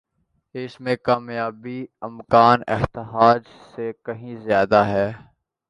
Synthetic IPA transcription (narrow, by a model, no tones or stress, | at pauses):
ɪsmẽkaːmjaːbiɪmkaːnɪ̰ɦt̪ɪɦaːd͡ʒ | sekɐɦĩzjaːd̪aɦɛː